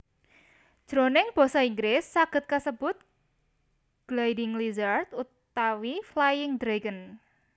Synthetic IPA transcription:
d̥ʒ̥ɾonɪŋb̥o̤sɔiŋɡlɪsːaɡ̥ə̤t̪̚kasəb̥ʊt̪̚ | ɡ̥lajdɪŋlizart̪ut̪ | awiflajɪŋd̪ɾeɡən

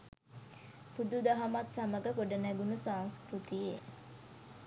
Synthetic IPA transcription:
pud̪ud̪aɦamat̪saməɡəkoɖənæɡunusaːŋskɾut̪ije

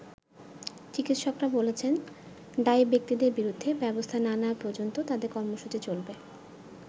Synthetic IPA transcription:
t͡ɕikit̪ʃokɾabolet͡ɕʰen | ɖaibek̚t̪id̪eɾbiɾud̪ʱːebɛbost̪ʰananapɔd͡ʑont̪ot̪ad̪eɾkɔɾmoʃut͡ɕit͡ɕolbe

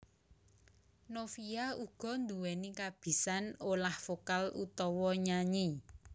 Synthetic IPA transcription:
nofijauɡ̥ɔ̤nd̪uwɛnikab̥i̤sanolahfokalṵt̪ɔwɔɲaɲi

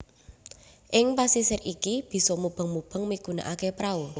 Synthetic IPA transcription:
ʔɪŋpasisɪrʔikib̥i̤sɔmub̥ə̤ŋmub̥ə̤ŋmikuna̰ʔakepɾau

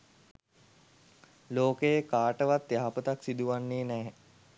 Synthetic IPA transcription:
loːkejəkaːʈəʋat̪jaɦapət̪aksid̪uʋanːeːnɛː

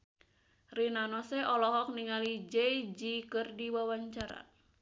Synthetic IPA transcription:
rinanɔsɛʔɔlɔɦɔk̚niŋalid͡ʒɛjd͡ʒikɨrdiwawaɲt͡ʃaɾa̰

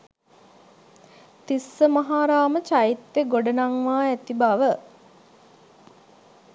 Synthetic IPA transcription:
t̪isːəmaɦaːɾaːmət͡ʃait̪ːeɡoɖənaŋʋaːæt̪ibaʋə

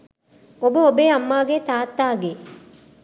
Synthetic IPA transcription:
obəobeːɐmːaːɡeːt̪aːt̪ːaːɡe

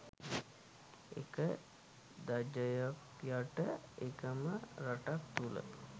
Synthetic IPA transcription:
ḛkə | d̪ad͡ʒəjok | jaʈəekəməɾaʈak̚t̪ulə̰

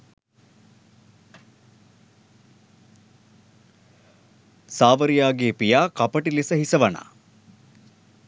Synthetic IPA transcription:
saːʋəɾijaːɡeːpijaːkɐpɐʈilisɐɦisɐʋɐna̰ː

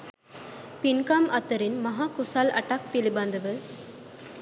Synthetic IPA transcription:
pɪnkaːmɐt̪ːɐɾɪnmɐɦaːkʊsaːlɐ̰ʈːaːk̚pɪlibɐːnd̪ɐʋɯ

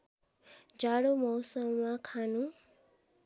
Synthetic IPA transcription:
d͡ʒaɽomɔwsəmmãkʰanũ

